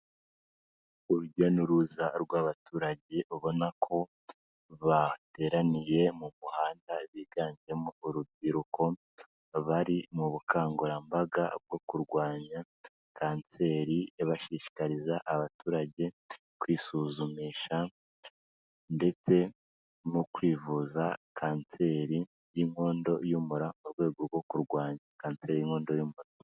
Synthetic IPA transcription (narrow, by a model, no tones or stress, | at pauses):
uɾuɟanuɾuzaɾɡwaβatuːɾaɟe̞ʔuβo̞nakʰo̞ | βate̞ːɾanije̞mumuhaːndaβiːɡaːɲd͡ʒe̞mouɾubɟiɾuko̞ | βaɾimuβukaːŋɡoɾambaɡa̰b̚ɡo̞kuɾɡwaːɲa | kaːnst͡se̞ɾieβaʃiʃi̥kaɾizaʔaβatuːɾaɟe̞ | kwiːsuzumiːʃa | nde̞t͡se̞ | mukwiːvuzakʰaːnse̞ɾi | jiŋo̞ːndo̞jumuɾamuɾɡwe̞ːɡo̞βɡo̞kuɾɡwaːɲakaːnse̞ːɾijiːŋo̞ːndo̞juːmuɾa